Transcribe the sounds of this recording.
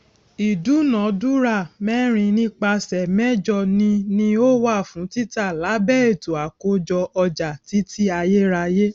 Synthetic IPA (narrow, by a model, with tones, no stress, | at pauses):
i˨du˨˦nã˨˦du˦ɾa˦˨mɛ̃˦ɾ̃ĩ˧nĩ˦k͡pa˧sɛ˨mɛ˦d͡ʒɔ˧˨nĩ˧nĩ˧o˦wa˦˨fũ˨˦ti˦ta˦˨la˨˦bɛ˦e˦˨to˨a˨ko˦d͡ʒɔ˧ʔɔ˧d͡ʒa˨ti˨˦ti˦a˧je˦ɾa˧je˦